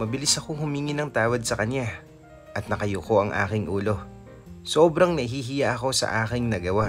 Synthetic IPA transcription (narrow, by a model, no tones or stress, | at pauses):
mɐbɪlɪsɐkoŋhʊmiːŋɪnɐŋt̪aːwɐd̪̚sɐkɐnja | ʔɐt̪̚nɐkɐjoko̞ʔɐŋʔa̰ːkɪŋʔuːlo̞ | soːbɾɐŋnɐʔɪɦiɦɪjaʔɐko̞sɐ̰ʔaːkɪŋnɐɡɐwa